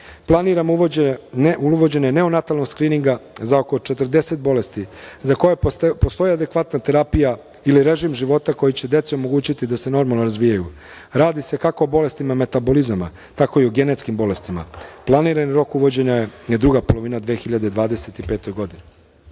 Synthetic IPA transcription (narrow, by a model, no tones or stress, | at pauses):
plˠaniɾam | uʋod͡ʑe̞ɲene̞onat̪alno̞ɡskɾiːniŋɡazaoko̞t͡ʃe̞t̪r̩d̪e̞se̞t̪̚bo̞le̞st̪izako̞jepo̞st̪o̞jiad̪e̞kʋat̪nat̪e̞ɾapija | iliɾe̞ʒimʒiʋo̞t̪ako̞jit͡ɕe̞d̪e̞t̪seo̞mo̞ɡuːt͡ɕit̪id̪ase̞no̞ɾmalˠnoɾazʋiːjaju | ɾaːd̪ise̞kako̞ːbo̞le̞st̪imame̞t̪abo̞lizama̰ | t̪ako̞ioɡe̞net̪skimbo̞le̞st̪ima̰plˠaniːɾaniɾo̞kuʋo̞d͡ʑe̞ɲajejed̪ɾuɡapolˠo̞ʋinad̪ʋe̞ːxiʎad̪ed̪ʋaːd̪e̞se̞t̪ipe̞ːt̪o̞jɡo̞d̪ine